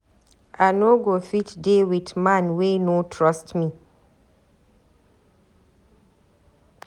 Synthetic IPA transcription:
ʔanoɡofitdewidmãnwenotʰɹɔstmi

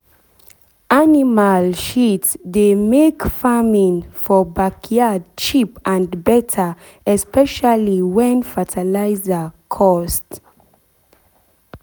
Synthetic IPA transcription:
animalʃitsdemekfamĩnfɔbakʰijad̚t͡ʃipãndbɛtʰə | ɛspɛʃaliwɛ̃nfatʰalaɪzəkʰɔst

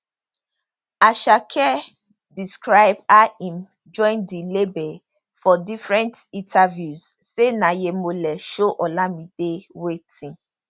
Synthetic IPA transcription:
aʃakʰɛ | diskɹaɪbaĩm | d͡ʒɔ̃ɪ̃ndilebe | fɔdifɹɛ̃ntĩntʰavjuz̥senajemolɛʃoʔɔlamidewetʰĩn

